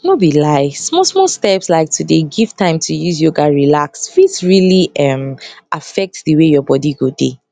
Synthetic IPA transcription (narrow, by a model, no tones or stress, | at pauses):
nobilaɪsmɔsmɔlstɛpslaɪk̚tʰɨdeɡiv̥tʰãɪ̃mtʰujuzjoɡaɹilaksfitsɹiliʌ̃mʔafɛk̚tðəwejɔbɔdiɡode